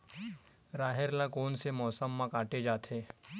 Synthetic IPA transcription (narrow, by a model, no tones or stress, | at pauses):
ɾaːɦeɾlãkoːnsemɔːsəmːãkaːʈed͡ʒaːt̪ʰeː